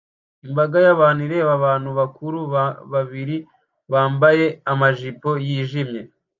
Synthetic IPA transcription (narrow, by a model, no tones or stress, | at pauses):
imbaɡajaβaːniɾe̞βaβaːn̥huβakuɾuβaβiɾi | βaːmbaje̞amaʒipo̞jiːʒimɲe̞